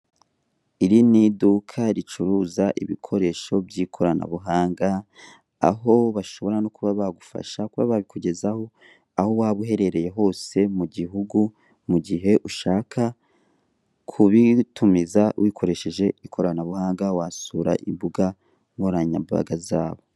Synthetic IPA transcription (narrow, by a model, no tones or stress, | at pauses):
iɾinidukʰaɾit͡ʃuɾuzaʔḭβḭkʰo̞ɾe̞ʃo̞bjiːkʰo̞ɾana̰βuɦaːŋɡa | a̰ɦo̞βaʃo̞βo̞ɾanokuβaβaɡufa̰ʃakuβa̰βaβikʰuɟe̞zaho̞ | aho̞waβuɦe̞ɾe̞ɾe̞je̞ɦo̞ːse̞muɟiɦuɡu | muɟiɦe̞ʔuʃaːkʰa | kʰuβitumizawʔikʰo̞ɾe̞ʃe̞ʒe̞ikʰo̞ɾanaβuhaːŋɡawasuːɾa̰ʔḭmbuɡa | moɾaɲa̰ba̰ɡazaːβo̞